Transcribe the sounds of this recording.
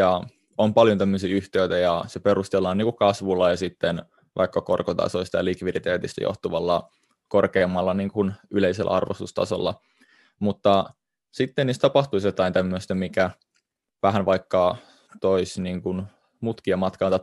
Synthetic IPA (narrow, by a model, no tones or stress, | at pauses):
jɑ | ompɑljont̪æmːøsiːyht̪eit̪æjɑseperust̪elːɑːniːŋkukɑsʋulːɑjɑsit̪ːen | ʋʔɑ̰ikːɑkorkot̪ɑ̰soist̪ɑjɑlikʋidit̪eːt̪ist̪æ̰jʔo̰ht̪uʋɑlːɑ | korkeːmːɑlːɑniːŋkunyleiselːʔæ̰ʔɑ̰rʋo̰st̪ust̪ɑ̰so̰lːɑ | mut̪ːɑ | sit̪ːeniːst̪ɑpɑht̪uisjot̪ɑint̪æmːøsʲt̪æmikæ | ʋæɦænʋɑikːɑ | t̪oisniːŋkun | mut̪kiɑmɑt̪kɑnt̪ɑ